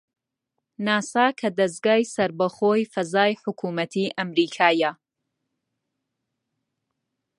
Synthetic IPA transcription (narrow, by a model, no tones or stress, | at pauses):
naːsaːkʰɐd̪ɐs̬ɡaːjsɐɾbɐχoːjfɐzaːjħʊkʰuːmɐt̪ʰiʔɐmɾiːkʰaːjɐ